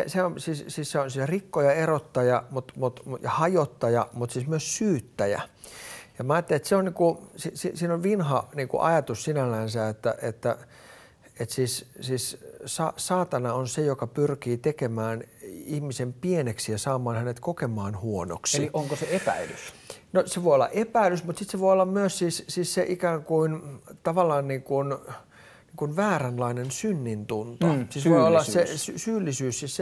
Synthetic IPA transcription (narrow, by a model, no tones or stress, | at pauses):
seseonsiːssiːsseonsit̪rikːojɑerot̪ːɑjɑmut̪mut̪mujɑhɑjot̪ːɑjɑmut̪siːsmyøssyːt̪ːæjæ̰ | jɑmɑːjɑt̪ːelet̪seonniːkusisisiːnoʋʋinhɑniːŋkṵʔɑjɑt̪ussinælːænsæet̪ːæ̰ʔet̪ːæ | et̪siːssiːssɑ̰sɑːt̪ɑnɑonsejokɑpyrkiːt̪ekemæːnihmisempieneksijɑsɑːmɑːnhænet̪kokemɑːnhuono̰kseiiʔoŋkoseepæ̰ilysnoseʋoˑiolːɑ̰ʔepæilysmut̪sit̪seʋoiolːɑmmyøssiːssiːsseʔikæːŋkuint̪ɑʋɑlːˑɑːnniːŋkun | niːŋkunʋæːrænlɑinensynːint̪unt̪osiːsʋoiolːɑssesysyːlːisyːssiːsse